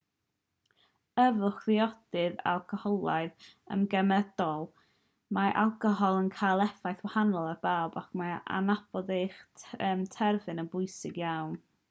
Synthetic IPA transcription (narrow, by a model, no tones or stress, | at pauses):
əvʊχðɪɔd̥ɨða̰lˠkʰɔhɔlˠaɨðə̰mɡɛmɛdɔlˠ | maʔa̰lˠkʰɔɦɔlˠənkʰajlˠɛfajθwahanɔlˠarb̥awbakʰmaa̰nab̥ɔdejχəːmtʰɛrvɨnənbʊjsɪɡjawn